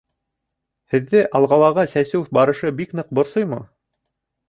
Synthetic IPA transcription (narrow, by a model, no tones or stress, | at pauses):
hɘ̆ðːɘʔɑlˠʁɑlˠɑʁɑsæsɘwfbɑɾɤ̆ʃɤbiknɤq̚bŏɾsojmɤ̰